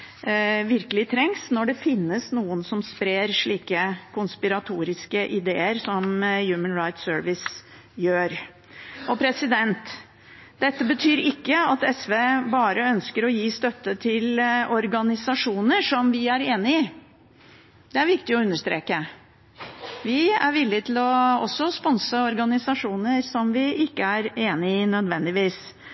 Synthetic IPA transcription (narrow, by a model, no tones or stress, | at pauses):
ʋɪɾkəlɪt̪ʰɾɛŋsnɔɖɛfɪnːəsnuːənsɔmspɾeːɾʂɭiːkəkʊnspɪɾɑt̪ʰuːɾɪskəʔɪd̪eːəɾsɔmjʉːmənɾaɪt̪søːɾʋɪs | jøːɾ | ʔɔpʰɾɛsɪd̪ɛnt̪ | d̪̥ɛt̪ːəbət̪ʰyːɾɪkːəɑt̪ɛsʋeːbɑːɾəœnskəɾɔjiːst̪œt̪ːət̪ʰɪlɔɾɡɑnɪsɑʂuːnəʂɔmʋɪæɾeːnɪɪ | d̪̥ɛæɾʋɪɾkt̪ɪɔʉnːəʂt̪ɾḛːkə | ʋɪæɾʋɪlːɪt̪ʰɪlɔɔsːɔspɔnsəɔɾɡɑnɪsɑʂuːnəɾsɔmʋɪɪkːəæɾeːnɪɪnœd̪ʋɛnd̪ɪʋiːs